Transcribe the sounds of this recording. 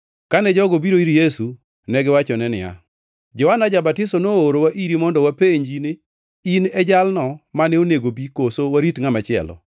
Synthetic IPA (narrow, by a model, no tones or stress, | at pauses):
kanɛd͡ʒɔɡobiɾoiɾijesu | nɛɡɪwat͡ʃɔnɛnɪa̰ | d͡ʒɔhanad͡ʒabatɪsɔnooɾowaʔiɾimɔndɔwapeɲd͡ʒinɪ | inɛd͡ʒalnɔmanɛoneɡobikosowaɾitŋamat͡ʃɪɛ̰lɔ̰